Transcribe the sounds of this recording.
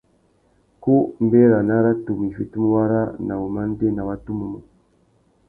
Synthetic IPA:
ku˦mbe˦ɾa˨na˦ɾa˦tu˨mi˨fi˦tu˦mu˦βa˦ɾa˦na˨βu˨ma˦n˦de˦na˨βa˦tu˦mu˨mu˨

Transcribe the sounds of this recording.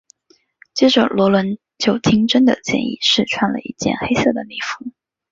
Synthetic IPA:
t͡ɕɛ˥ʈ͡ʂʊ˨˩lwɔ˧˥lwə˧˥n | t͡ɕʰjo˧˥ʊt̪ʰi˥ŋʈ͡ʂə˥nd̪ə̰˨t͡ɕjɛ̰˥˧nḭ˥˧˩ʂɻ̩˥˩ʈ͡ʂʰwa˥˩nlə̰˨ḭ˥˩t͡ɕjɛ̰˥˩nxe˥ɪsɤ˥˩d̪ə˩ni˥˩fu̥˧˥˦

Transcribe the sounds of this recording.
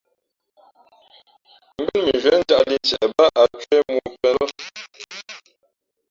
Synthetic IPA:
m̩˦bə˦lmi˨zɥɛ˨˦n̩˦d͡ʒa˦ʔli˦n˨t͡ʃɛ˨ba˦ʔa˨kɥɛ˦mu˦pɛ˦lə˦

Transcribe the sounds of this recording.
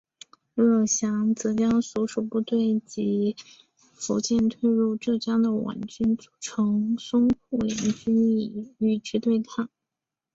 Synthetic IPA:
ɻɤ˥˩ɕjɑ˧˥ŋt͡sɤ˧˥t͡ɕjɑ˥ŋsɔ˧˥ʂu˨˩pu˥˧t̪we˥˩ɪt͡ɕi˧˥ | fo˧˥ʊt͡ɕjɛ˥˧nt̪ʰwe˥˧ɪɻu˥˧ʈ͡ʂɤ˥˩t͡ɕjɑ˥ŋd̪ə˨wa̰˨˩nt͡ɕy˥nt͡su̥˨˩ʈ͡ʂʰɤ˧˥ŋsʊ˥ŋpʰu˥˩jɛ˧˥nt͡ɕy˥ni˥˩˥y˥˩t͡ɕy˥t̪we˥˧ɪt̪ʰɑ˥˩ŋ

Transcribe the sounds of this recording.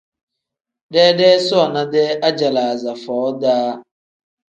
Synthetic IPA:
de˦de˦sɔ˦ɔ˨na˦de˦ʔa˦d͡ʒa˨la˨a˨za˨fɔː˨ɔ˦daː˦

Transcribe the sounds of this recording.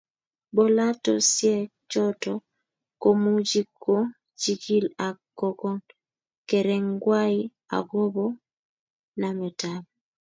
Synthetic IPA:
bɔ˦la˦tɔsjɛ˦ | t͡ʃɔ˦tɔ | ko˦mu˦d͡ʒi˦kʰːo˦ | d͡ʒi˦ki˦la˨kːɔ˦kɔ˦n | kɛ˨ɾɛ˦ŋɡwa˦i | a̰˨ɡo˦bɔ˦ | na˨mɛ˨tab

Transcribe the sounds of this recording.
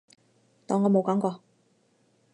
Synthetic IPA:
t̪ɔː˨˧ŋːɔː˨˧mo˨˧wkaː˨˥ŋkɔː˧

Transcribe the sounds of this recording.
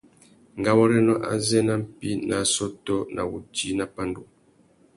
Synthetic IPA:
ŋ˨ɡa˦wɔ˦ɾɛ˦nɔ˦ʔa̰˦zɛ˦na˦m̩˦pi˦na˨sɔ˦tɔ˦nʔa̰˨wu˨ti˨˦na˦pa˦ndu˨

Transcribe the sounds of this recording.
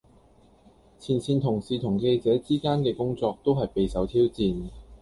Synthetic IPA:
t͡sʰiː˨˩nt͡sʰiː˨˧nt̪ʰʊ˨˩ŋsiː˨˧t̪ʰʊ˨˩ŋke˧jt͡sɛː˨˥t͡siː˥kaː˥nkɛː˧kʊ˥ŋt͡sɔː˧k̚t̪o˥wɦɐ˨jpe˨jsɐ˨˥wt̪ʰiː˥wt͡siː˨n

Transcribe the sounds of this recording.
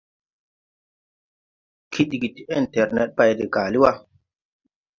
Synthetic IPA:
kʰi˦ɗi˨ɡi˨ti˨ɛ˦˨ntɛ˨ɾnɛ̰˨t̚pa˦˨jde˨ɡa˨li˦wa˦

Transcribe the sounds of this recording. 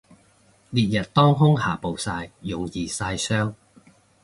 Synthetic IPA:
liː˨t̚jɐ˨t̚t̪ɔː˥ŋɦʊ˥ŋɦa̰ː˨˩po˨wsaː˧jːʊ˨ŋjiː˨˧saː˧jsœː˥ŋ

